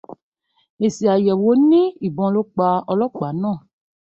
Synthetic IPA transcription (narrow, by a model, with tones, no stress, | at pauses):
e˨si˨a˨jɛ˨wo˨˦nĩ˦i˨bɔ̃˧lo˦k͡pa˧ɔ˧lɔ˦k͡pa˨˦nãː˦˨